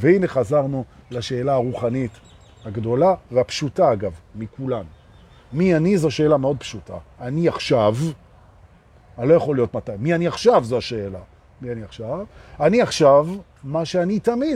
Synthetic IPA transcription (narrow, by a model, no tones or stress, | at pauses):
veine̞χazaʁnulaʃe̞ːlaaʁuχanit | haɡdo̞laveapʃutaaɡavmikulam | mianizo̞ʃe̞ːlameo̞d̪̚pʃuta̰ːniaχʃav | alo̞jaχo̞lijo̞tmatajmianiaχʃavzoaʃe̞ːla | mianiaχʃavaniaχʃav | maʃeanitami